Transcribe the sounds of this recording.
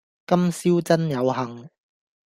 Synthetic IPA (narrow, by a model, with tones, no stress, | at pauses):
kɐ˥msiː˥wt͡sɐ˥njɐ˨˧wɦɐ˨ŋ